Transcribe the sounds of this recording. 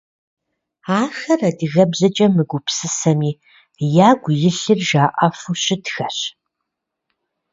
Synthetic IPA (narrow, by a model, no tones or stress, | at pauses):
aːxɐrɐdiɣɐbzɐt͡ʃʼɐmɨɡʷʊpsɨsɐmiː | jaːɡʷʊjɪɬɨrʒaːʔɐfuɕɪtxɐɕ